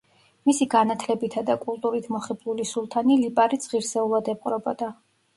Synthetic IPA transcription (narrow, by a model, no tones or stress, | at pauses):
misiɡanat̪ʰlɛbit̪ʰad̪akʼulˠt̪ʼuɾit̪ʰmɔχiblˠulisulˠt̪ʰanilipʼaɾid̪z̥ʁiɾsɛulˠad̪ɛp̚ʼqʼɾɔbɔ̰d̪a